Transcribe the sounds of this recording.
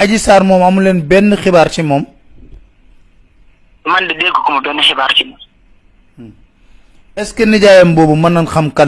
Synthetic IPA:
ɐɟisaːɾmɔːmɐmulɛnbɛnːəxibaːɾt͡ʃimɔːm | mɐndidɛkːɔkɔmɐdɔnːixɪbaːɾt͡ʃimɔ | ɛskɛnɐɟaːjɐmbɔːbumɐnːɐnxɐmkɐl

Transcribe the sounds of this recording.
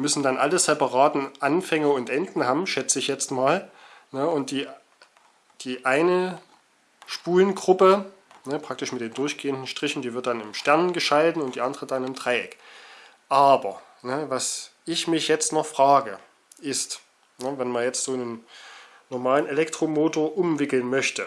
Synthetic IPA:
mʏsn̩danʔa̰ləsɛpaʁaːtn̩ʔanfɛŋəʊntʔɛndn̩haːbm̩ʃɛt͡səɪçjɛt͡stmaːlnəʊnt̚d̥iː | d̥iːʔaɪnə | ʃpuːlənɡʁʊpə | nəpʁ̥ak̚tɪʃmɪt̚d̥eːndʊɐçɡ̥eːəndn̩ʃtʁ̥ɪçn̩d̥iːvɪɐt̚d̥anɪmʃtɛɐnənɡəʃaltn̩ʊntd̥iːʔandəʁədanɪmtʁ̥aɪɛ̰k | ʔaːbɐ | nəvasʔɪçmɪçjɛt͡stnɔχfʁ̥aːɡə | ʔɪst | nəvɛnmanjɛt͡stz̥oːnən | nɔɐmaːlənelɛktʁ̥omoːtoːɐʔʊmvɪkl̩nmœçtə

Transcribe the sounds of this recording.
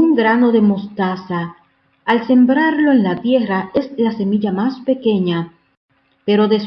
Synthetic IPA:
uŋɡɾano̞ðe̞mo̞st̪asaː | lse̞mbɾaɾlo̞e̞nlat̪je̞rae̞slase̞miʝamaspe̞ke̞ɲa | pe̞ɾo̞ðe̞s

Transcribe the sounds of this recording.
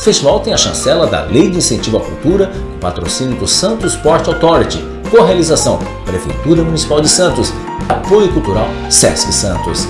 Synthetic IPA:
fest͡ʃivawt̪ẽj̃ɐʃɐ̰̃sɛlɐd̪ɐ̰lejd͡ʒɪĩsẽt͡ʃivɐkuwt̪uɾɐ | ʊ̃pat̪ɾo̰sĩnjʊd̪ʊsɐ̃nt̪ʊspɔɾt͡ʃawt̪ɔɾit͡ʃɪ | koɦealizasɐ̃w̃ | pɾefḛjt̪uɾɐmunisi̥pawd͡ʒɪsɐ̃nt̪ʊs | apojʊkult̪uɾaw | sɛ̰skɪsɐ̃nt̪ʊ̰s

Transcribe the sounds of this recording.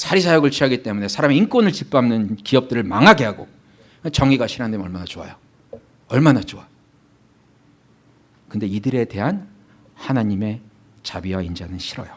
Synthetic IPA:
sʰaɾis̬ʰajoɡɯɭt͡ɕʰiɦaɡit͈e̞mune̞sʰaɾamiink͈wonɯɭt͡ɕip͈amnɯnkiʌp̚t͈ɯɾɯɭmaŋaɡeɦaɡo̰ | ɯt͡ɕʌŋiɡaɕʰiɾandeʌɭmanat͡ɕoa̰jo | ʌɭmanat͡ɕoa | kɯnde̞idɯɾe̞te̞ɦan | hanaɲime̞ | t͡ɕabiwaind͡ʑanɯnɕʰiɾʌ̰jo

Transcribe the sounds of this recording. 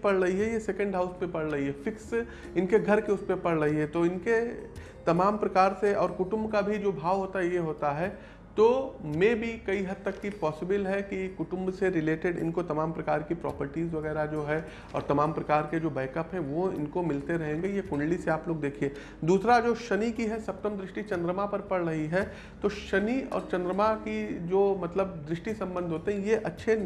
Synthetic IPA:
pɐɽɾɐɦiɦɛjesɛkə̃ɳɖɦaʊspẽpɐɽɾɐɦiɦɛfɪks | ɪnkeɡʱɐɾkeʊspepɐɽɾɐɦiɦɛt̪oɪnke | t̪ɐmaːmpɾɐkaːɾseʔɔːɾkʊʈʊ̃mbkabʱid͡ʒoːbʱaːʋɦoːt̪aɦɛjeɦoːt̪aɦɛː | t̪oːmẽbʱikɐiɦɐd̪̚t̪əkːipɔːsɪbɪlɦɛkikʊʈʊ̃mbseɾɪleːʈɪɖɪ̰nkot̪ɐmaːmpɾɐkaːɾkipɾɔ̰ːpəɾʈiːzʋɐɣɛːɾad͡ʒoːɦɛ | ɔ̰ːɾt̪ɐmaːmpɾɐkaːɾked͡ʒoːbɛːkəpɦɛ̃ʋoɪ̰nkomɪlt̪eɾɐɦẽːŋɡejekʊ̃ɳɖliseaːploːɡd̪eːkʰieː | d̪uːsɾad͡ʒoːʃɐnikiɦɛsɐp̚t̪əmd̪ɾɪʃʈit͡ʃɐ̃nd̪ɾəmapɐɾpɐɽɾɐɦiɦɛː | t̪oːʃɐniɔ̰ːɾt͡ʃɐ̃nd̪ɾəmakid͡ʒoːmɐt̪ləb̚d̪ɾɪʃʈisɐ̃mbə̃nd̪ʱɦoːt̪eɦɛ̃jeʔɐtːʃʰe

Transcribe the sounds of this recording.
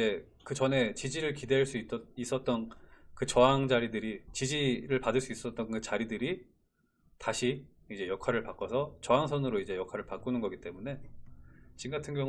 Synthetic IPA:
e̞ | kɯt͡ɕʌne̞t͡ɕid͡ʑiɾɯɭkidwe̞ɭs͈uit͈ʌis͈ʌt̚t͈ʌnkɯt͡ɕʌɦaŋd͡ʑaɾidɯɾit͡ɕid͡ʑiɾɯɭpadɯɭs͈uis͈ʌt̚t͈ʌnkɯt͡ɕaɾidɯɾi | taɕʰi | id͡ʑe̞jʌkʰwaɾɯɭpak͈ʌsʰʌt͡ɕʌɦaŋsʰʌnɯɾoid͡ʑe̞jʌkʰwaɾɯɭpak͈unɯnɡʌɡit͈e̞mune̞ | t͡ɕinɡatʰɯnɡjʌŋ

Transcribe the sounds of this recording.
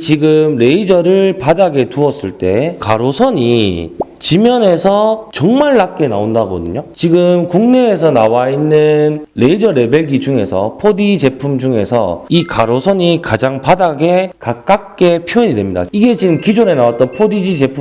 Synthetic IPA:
t͡ɕiɡɯmɾe̞id͡ʑʌɾɯɭpadaɡe̞tuʌs͈ɯɭt͈e̞kaɾosʰʌɲi | t͡ɕimjʌne̞sʰʌt͡ɕʌŋmaɭːak͈e̞naondaɡʌ̰dɯɲot͡ɕiɡɯmkuŋne̞ːsʰʌnawainːɯnɾe̞id͡ʑʌɾebe̞ɭɡid͡ʑuŋe̞̰sʰʌ̰pʰodid͡ʑe̞pʰumd͡ʑuŋe̞sʰʌ̰ikaɾosʰʌɲikad͡ʑaŋpadaɡe̞kak̚k͈ak̚k͈e̞pʰiʌɲidwe̞mɲida̰iɡe̞t͡ɕiɡɯmkid͡ʑone̞nawat͈ʌnpʰodid͡ʑid͡ʑe̞pʰu

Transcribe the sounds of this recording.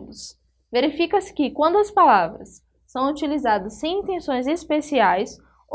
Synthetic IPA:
d̪ʊs | veɾifikɐsɪ̥kɪkwɐ̃nd̪ʊɐspalavɾɐsː | ɐ̃w̃ut͡ʃilizad̪ɐsːẽj̃ĩnt̪ẽsõj̃zespesiajs

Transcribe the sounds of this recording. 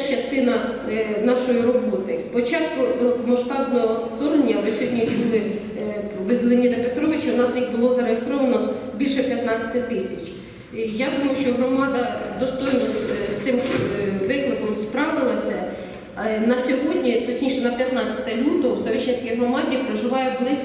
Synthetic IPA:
t͡ʃɐst̪ɪnɐ | nɑʃɔjirɔbɔt̪ɪspɔt͡ʃɑt̪̚kʊʋelˠmɐʃt̪ɑbnɔɦɔt̪ɔɾenʲːɐʋɪsʲɔɦɔdʲnʲit͡ʃulˠɪ | ʋɪd̪lˠɪnʲid̪ɐpet̪ɾɔʋɪt͡ʃɐwnɑsjixbʊlˠɔzɐɾeɦest̪ɾɔʋɐnɔ | bʲilʲʃɛpʲjɐt̪nɑt͡sʲɐ̥t̪ɪt̪ɪsʲɐt͡ʃʲ | jad̪umɐjʊʃt͡ʃɔɦɾɔmɑd̪ɐd̪ɔst̪ɔjnɔsst̪sɪmʋɪklˠɪkɔmspɾɑʋɪlˠɐsʲɐ | nɐsʲɔɦɔdʲnʲit̪ɔsʲnʲiʃɛnɐpʲjɐt̪nɑt͡sʲsʲɐ̥t̪ɐlʲut̪ɔwsɐʋʲit͡ʃɪnsʲkʲijɦɾɔmɑdʲipɾeʒɪʋɑjɛblˠɪsʲ

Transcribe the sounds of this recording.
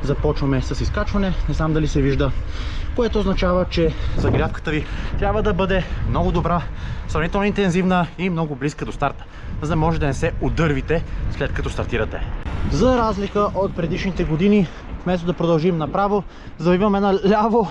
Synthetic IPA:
zɐpɔt͡ʃvɐmɛsɐsiskat͡ʃvɐnɛnɛzamd̪ɐlisɛviʒd̪ə | koɛt̪ooznɐt͡ʃavət͡ʃɛzɐɡɾʲjafkə̥t̪əvit̪ɾʲabvəd̪ɐbɤd̪ɛmnɔɡʊd̪obɾasɾɐvnit̪ɛlˠnoint̪ɛnzivnəimnɔɡʊbliskəd̪ost̪aɾt̪ə̥ | zd̪ɐmɔʒɛd̪ɐnɛsɛod̪ɤɾvit̪ɛslɛt̪̚kɐt̪ɔst̪ɐɾt̪iɾɐt̪ɛzɐɾazlikəʔot̪̚pɾɛd̪iʃnit̪ɛɡod̪ini | fmɛst̪od̪ɐpɾod̪ɐlˠʒimnɐpɾavo | zɐvviɐmɛnalʲavo

